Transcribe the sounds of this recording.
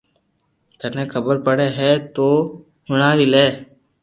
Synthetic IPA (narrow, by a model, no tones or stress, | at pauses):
t̪ənẽːkʰəbəɾpəɽeːɦɛːt̪oː | ɦʊɳaːʋileː